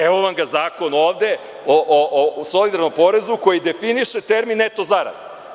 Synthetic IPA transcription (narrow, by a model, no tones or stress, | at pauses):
eʋoʋamɡazaːko̞noːʋd̪e̞ | oʔoʔoso̞lid̪aɾno̞mpo̞ɾe̞zuko̞jid̪e̞finiʃet̪e̞ɾminːet̪o̞zaɾa̰d̪e